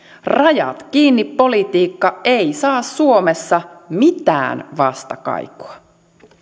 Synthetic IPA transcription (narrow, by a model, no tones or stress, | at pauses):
rɑjɑ̰t̪k̟iːnːipːo̞lit̪iːkːɑe̞jsɑːsːuo̞mesːɑmit̪æ̰ːnʋɑst̪ɑkɑ̰jko̥ɑ